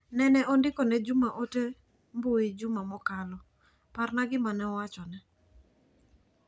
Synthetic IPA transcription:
nɛnɛɔndɪkɔnɛd͡ʒʊmaʔote | mboɪd͡ʒʊmamɔkalɔ | parnaɡɪmanɛɔwat͡ʃɔnɛ

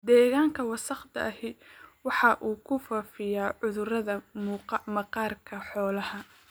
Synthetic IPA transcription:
d̪ɛːɣaːŋkʰɐwɑsɐχd̪ɐ̰ʔɐhɪwɑħɑʔuːkʰʊfɐːfɪjaːʕʊðʊrɐðɐ | mɐqɑːrkʰɐħɔːlɐhɐ

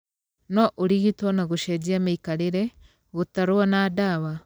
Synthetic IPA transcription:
nɔʔoɾiɣitɔnaɣoʃɛd͡ʑiamaikaɾeɾɛ | ɣotaɾoanaːdawa

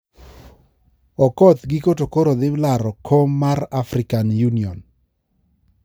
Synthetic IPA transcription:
ɔkɔt̪ɡikotokoɾod̪ɪlaɾɔkʰomːaɾafɾɪkanjuniɔn

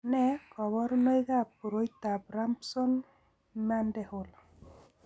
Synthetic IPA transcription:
nɛɡɔbɔɾnɔjɡap̚uɾojt̪abɾampsɔn | mandɛhol

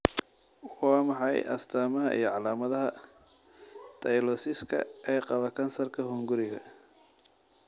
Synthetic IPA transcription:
wɑːmɑħɑjʔɐ̰st̪ʰaːmɐɦɐʔḭjɞʕɑlaːmɐðɐɦɐ | t̪ʰɐjlɔsɪskʰɐ̰ʔɛːqɑβɐkʰɐnsɐrkʰɐhʊŋɡʊɾɪɣɐ̰

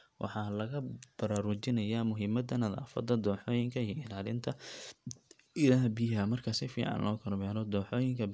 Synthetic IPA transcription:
wʔɑ̰ħɑːlɐɣɐb̥ɐɾaːɾʊt͡ʃɪnɐjaːmʊɦɪmɐd̪ɐnɐða̰ːfɐ̰d̪ːɐd̪ɔːħɔːjɪŋkʰɐijɔɪlaːlɪnt̪ʰɐ | ɪlaːhbɪɦɐmɐrkʰɐsɪfḭːʕɑ̰nlʔɔːkʰɐɾbɛːɾɔd̪ɔːħɔːjɪŋkʰɐ

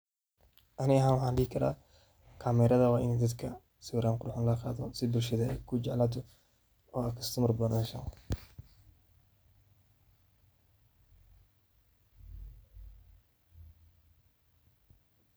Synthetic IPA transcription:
ʔɐnɪɣɐɦaːnwɑħɑːnɖihɪkʰɐɾa̰ː | kʰaːmɛːɾɐðɐwɑːʔɪnɛːd̪ɐd̪kʰɐ | sɪwɾaːŋqʊɾħʊnlɐqɑːðɔsɪbʊlʃɐðɐɛjkʰʊd͡ʒɛʕlaːt̪̬ʰɔ | ɔːɐkʰɐst̪ʰʊmɐrbɐnɐʃɐŋ

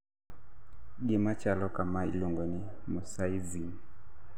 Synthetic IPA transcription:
ɡimat͡ʃalɔkamailuŋɡɔnimɔsaivin

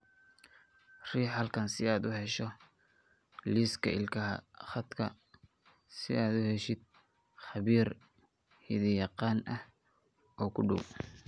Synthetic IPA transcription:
riːħɐlkʰɐnsɪaːd̪ʊɦɛʃɔ | liskʰɐ̰ʔɪ̰lkʰɐɦɐ̰χɑd̪kʰɐ̰ | sɪ̰aːd̪ʊhɛʃɪd̪̚ | χɑβiːr | hɪ̰ðijɑqɑːnʔɐh | ɔːkʰʊɖʊw

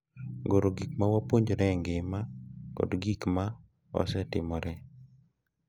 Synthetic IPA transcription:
ɡoɾoɡik̚mawapoɲd͡ʒoɾɛŋɡemakɔ̰dɡikma | wa̰sɛtɪ̰mɔɾɛ

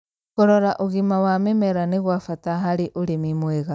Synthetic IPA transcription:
koɾoɾaʔoɣimawamemeɾaneɣwafataɦaɾiʔoɾemimweɣa

